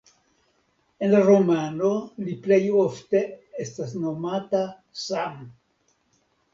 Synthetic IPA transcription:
e̞nlaɾomano̞liplejofte̞estasno̞mata | sam

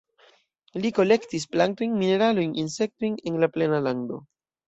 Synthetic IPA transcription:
liko̞le̞ktis̬plantojnmine̞ɾalojnʔinse̞k̚tojne̞nlaple̞nalaŋdo̞̰

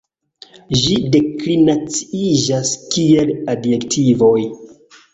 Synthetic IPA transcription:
ʒide̞klinat͡si̥id͡ʒaskieladje̞ktʰivo̞j

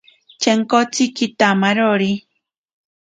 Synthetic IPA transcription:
t͡ʃeŋkot͡sikit̪amaɾoɾi

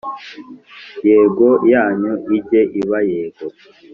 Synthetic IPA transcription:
jeːɡojaːɲoʔiɟeʔiβajeːɡo

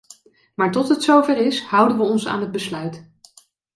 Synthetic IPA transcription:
maːɹtɔtɦətsowvɛrɪshʌwdənʋəɔnsa̰ːnɦəd̚bəslœɥt

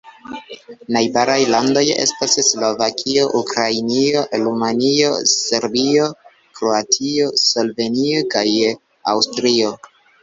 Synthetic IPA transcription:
najbaɾajlando̞jḛstasslo̞vakʰio̞ʔukɾajnio̞ɾumanio̞se̞ɾbio̞ | kɾoatʰio̞so̞lve̞nio̞kaj | awstɾio̞

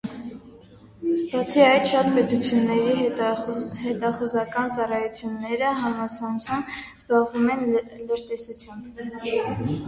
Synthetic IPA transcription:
b̥ɑt͡sʰiɑjd̪ʃɑt̪pɛt̪ut͡sʰjunːɛɾi | hɛt̪ɑχuzɑkɑnt͡sɑrɑjut͡sʰjunːɛɾəɦɑmɑt͡sʰɑnt͡sʰumbzbɑʁvumɛnləɾt̪ɛsut͡sʰjɑmb

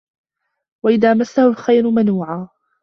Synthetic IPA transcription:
waʔɪðaːmasːahʊlxajɾʊmanuːʕaː

